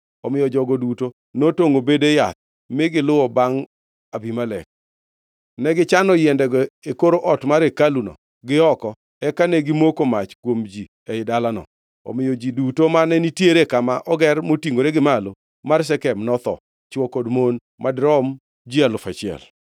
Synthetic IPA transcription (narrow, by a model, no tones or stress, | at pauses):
ɔmɪjɔd͡ʒɔɡɔduto | notoŋobedejat̪̚ | mɪɡɪlʊwɔbaŋ | abimalɛ̰k̚ | nɛɡɪt͡ʃanɔjɛndɛɡɔekoɾoʔɔtmaɾekalunɔ̰ | ɡɪɔkɔ | ɛkanɛɡɪmokomat͡ʃkwomd͡ʒi | eɪdalanɔ̰ | ɔ̰mɪjɔd͡ʒidutomanɛnitjeɾekamaʔɔɡɛrmotiŋoɾeɡɪmalo | mars̬ɛkɛmnɔt̪ɔ̰ | t͡ʃwɔkodmon | madɾɔm | d͡ʒialʊfat͡ʃɪɛ̰l